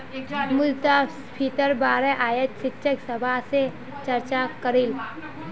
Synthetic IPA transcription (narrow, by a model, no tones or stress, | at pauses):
mʊlt̪aspʰiːt̪əɾbaːɾəʔaːjət̪ʃɪtːʃəksɐbʱase | t͡ʃɐɾt͡ʃakəɾɪl